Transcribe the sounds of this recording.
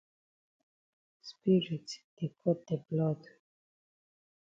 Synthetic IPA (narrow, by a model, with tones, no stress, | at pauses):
spi˦ɾitsd̪̥e˨kʰɔt̪̚d̪e˨blɔd̪